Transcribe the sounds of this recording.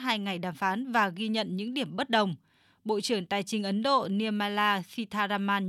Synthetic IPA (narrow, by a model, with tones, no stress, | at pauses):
ɦaː˧jŋa˨˩jɗaː˨˩mfaː˨˦nvaː˨˩ɣi˧ɲə̰˧˨nɲɨ̰˧˥ŋɗi˧˩əmɓə˦˥t̚ɗə˨˩wŋ͡m | ɓo̰˧˨t͡ɕɨ˧˩əŋt̪aː˨˩jt͡ɕï˨˧ŋ̟ʔə˨˦nɗo̰˧˨ni˧əmaː˧laː˧si˧t̪ʰaː˧zaː˧maː˧n